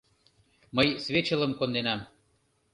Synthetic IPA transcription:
məjsvʲet͡ɕə̆lə̆mkond̪enɑm

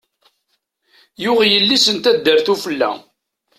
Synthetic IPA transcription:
jʊʁjəlːisənt̪æd̪ːəɾθufəlːæ̰

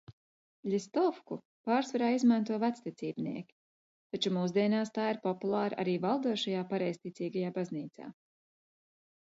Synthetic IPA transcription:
ʎʲist̪ɔfku | paːɾsvaɾaːizmant̪uɔvæt̪st̪it̪siːbnḭɛkʲi̥ | t̪at͡ʃumuːzd̪iɛnaːst̪aːiɾpɔpulˠaːɾʔa̰ɾiːvalˠd̪uɔʃajaːpaɾɛjst̪it̪siːɡajaːbazniːt̪sa̰ː

